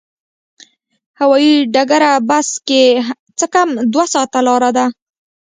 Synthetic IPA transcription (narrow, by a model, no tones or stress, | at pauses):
hawɑjiɖaɡaɾabaske | t͡səkamd̪wasɑt̪alɑɾad̪a